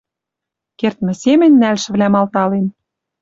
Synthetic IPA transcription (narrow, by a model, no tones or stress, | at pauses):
kert̪mɘ̆semɘ̆nʲːælʃɘ̆βlæmɑlt̪ɑlen